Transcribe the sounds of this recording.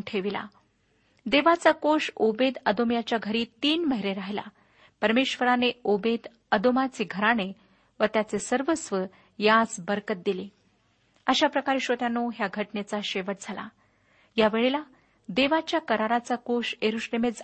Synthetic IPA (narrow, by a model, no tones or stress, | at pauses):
ʈʰeʋila̰ | d̪eʋat͡sakoʂobed̪əd̪omjat͡ɕjaɡʱəɾiːt̪iːnməɦiɾeɾaɦla̰ | pəɾmeɕʋəɾaneobed̪ | əd̪omat͡seɡʱəɾane | ʋət̪jat͡sesəɾʋəsʋə | jat͡sbəɾkət̪̚d̪ile | əɕapɾəkaɾiːɕot̪janoɦjaɡʱəʈnet͡saɕeʋəʈ̚d͡zʱala̰ | jaʋeɭela | d̪eʋat͡ɕjakəɾaɾat͡sakoʂeɾuɕlemet͡s